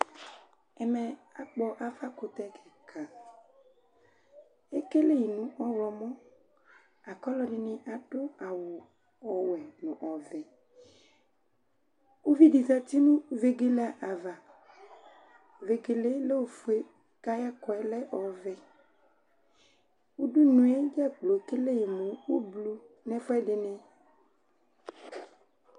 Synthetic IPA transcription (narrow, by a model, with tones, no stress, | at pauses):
ɛ˨mɛ˨a˨k͡pɔ˦ʔa˦fa˦ko˨t̪ɛ˦kɛ˨kʰa˨ | e˦ke˦le˦ji˨nũ˨˦ʔɔ˦wɔ˨mɔ̃˦ | a˨kɔ˦lɔ˦ɖi˨nĩ˨ʔa˨ɖo˦a˨wo˨ | ɔ˨wɛ˨nũ˨ʔɔ˨vɛ˨ | o˦vi˦di˨za˦t̪i˦nũ˦ve˦ɡe˦la˦ʔa˨va˨ | ve˨ɡe˨le˦le˦wo˨fu˨˦e˦ | ka˦ja˦kɔ˨ɛ˦lɛ˦ʔɔ˨vɛ˨ | wu˦ɖu˦nũ˨˦e˦d͡ʒɛ˦k͡plo˨ke˦le˦je˨mõ˨wo˦blu˦ | nɛ̃˦fɔ˦ɛ˦ɖe˨nɛ̃˦